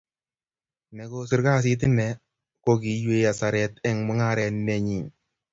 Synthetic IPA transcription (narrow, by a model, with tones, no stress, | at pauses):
nɛ˨ko˦si˦ɾka˦s̬i˦t̬i˦nːɛ˨ | ko˦ki˨jwe˦ja˨sa˨ɾɛtɛ˦ŋmu˨˦ŋa˦ɾɛ˨nːe˨ɲi˨n